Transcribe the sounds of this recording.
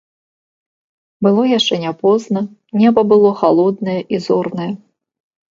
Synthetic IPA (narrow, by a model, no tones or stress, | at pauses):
bɨlˠɔjaʂt͡ʂɛnʲapɔznɐ | nʲɛbɐbɨlˠɔxalˠɔd̪nɐjɛʔizɔrnɐjɐ